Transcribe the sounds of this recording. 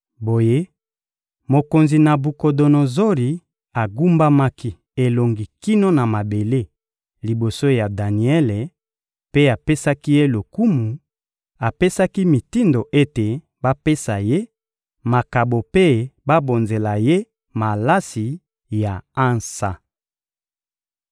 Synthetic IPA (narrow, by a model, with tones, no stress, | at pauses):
bo˨je˦ | mo˨ko˨nzi˨na˨bu˨ko˨do˨no˨zo˦li˨ | a˨ɡu˦mba˦ma˦ki˦ | e˨lo˨ŋɡi˨ki˦no˦na˨ma˨be˨le˦ | li˨bo˨so˦ja˨da˨ni˨ɛ˦le˨ | pe˦a˨pe˦sa˦ki˦je˦lo˨ku˦mu˨ | a˨pe˦sa˦ki˦mi˨ti˦ndo˨ʔe˦te˨ | ba˦pe˦sa˨je˦ | ma˨ka˨bo˨pe˦ba˦bo˨nze˨la˨je˦ | ma˨la˦si˨ | ja˨a˦nsa˦